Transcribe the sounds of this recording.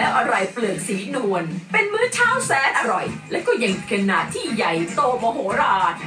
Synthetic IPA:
lɛː˦˥wʔa˧ɾa˧jplɯ˨˩ək̚siː˩˦nu˧ənpe˧nmɯ˦˥t͡ɕʰaː˥˩wsɛː˨˦˥nʔa˧ɾɔ˨˩jlɛː˦˥wkɔː˥˩ja˧ŋ˧kʰe˧nːaː˨˧˩t̪ʰiː˥˩ja˨˩jt̪oː˧mɔ˧ɦoː˩˦ɾaː˧˩t̪̚

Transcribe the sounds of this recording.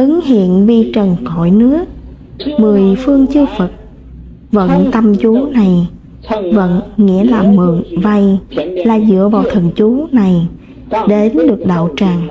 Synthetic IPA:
ʔɨ˨˦ŋhḭ˧˨ənvi˧˩t͡ɕə˨˩nkɔ̰˧˩˨jnɨ˦˥ək̚ | mɨ˨˩əjfɨ˧əŋt͡ɕɨ˧wfə˨˩t̚ | və̰˧˥nt̪ə˧mt͡ɕu˨˦na˨˩j | və̰˧˥˨nŋḭ˧˥əlaː˨˩mɨ˨˩əŋva˧jlaː˨˩zɨ̰˧˥əvaː˨˩wt̪ʰə˨˩ŋ̚t͡ɕu˨˦na˨˩j | ɗe˨˦nɗɨ˨˩ək̚ɗa̰ː˧˨wt͡ɕaː˨˩ŋ

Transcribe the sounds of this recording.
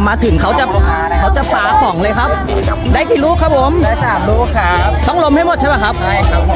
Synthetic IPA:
maː˧t̪ʰɯ˨˩˦ŋkʰa˦˥wt͡ɕa˨˩ | kʰa˦˥wt͡ɕa˨˩paː˧pɔ˨˩˦ŋlɤː˧jkʰa˦˥p̚ | daː˥˩jkiː˨˩ɾuː˦˥kʰa˦˥p̚ʰo˨˦maː˨˩u˦˥kʰa˦˥t̪ɔ˥˩ŋlo˧mha˥˩jmo˧˥˩t̪̚t͡ɕa˥˩pa˧˩kʰa˦˥p̚

